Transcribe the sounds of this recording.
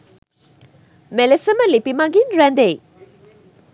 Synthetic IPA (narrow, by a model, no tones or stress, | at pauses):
melesɐmɐlipimɐɡinɾɛnd̪ej